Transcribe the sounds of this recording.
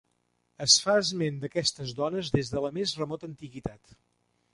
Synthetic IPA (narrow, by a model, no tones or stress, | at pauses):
əsfaəzmend̪əkɛst̪əzðɔnəzðezðələmezrəmɔt̪ənt̪iɣit̪at̪